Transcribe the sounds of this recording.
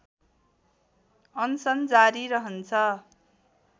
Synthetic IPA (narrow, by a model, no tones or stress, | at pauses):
ʌnsʌnd͡zaɾiɾʌɦʌnt͡sʰʌ